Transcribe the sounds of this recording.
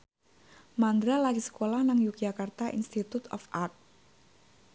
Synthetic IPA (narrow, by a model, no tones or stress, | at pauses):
mand̪ɾalakisə̥kolahnaŋjuk̚jakart̪aʔḭnst̪it̪ut̪ɔ̰fʔart̪̚